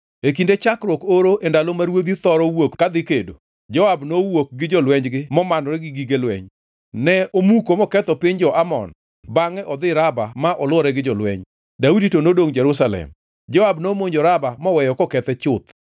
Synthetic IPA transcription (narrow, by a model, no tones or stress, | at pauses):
ekindet͡ʃakɾwɔkoɾoʔendalomaɾwod̪it̪ɔɾɔwokːad̪ɪkedo̰ | d͡ʒɔwabnowok̚ɡɪd͡ʒɔlwɛɲd͡ʒɡɪmɔmanɔɾɛɡɪɡiɡelwɛ̰ɲ | nɛʔomukomɔkɛt̪ɔpɪɲd͡ʒɔʔamɔ̰n | baŋɛʔɔd̪ɪɾabamaʔɔlwɔɾɛɡɪd͡ʒɔlwɛ̰ɲ | dauditonodoŋd͡ʒɛɾusalɛ̰m | d͡ʒɔwabnomoɲd͡ʒɔɾabamɔwɛjɔkɔkɛt̪ɛt͡ʃʊt̪